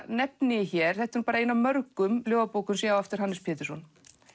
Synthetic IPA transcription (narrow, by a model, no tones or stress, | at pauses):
nɛpnɪçɛɾ̥θɛht̪ɪɾupaːɾainamœɾkʏmljoːwvapoːwkʏmsɛɣaɛft̪ɪɾ̥anːɪspʰɛːt̪ɪ̥sɔn